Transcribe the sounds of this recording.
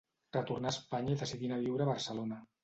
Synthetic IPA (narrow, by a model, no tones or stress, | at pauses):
rət̪urnaspaɲaiðəsiðinaβ̞iwɾəːβəɾsəlona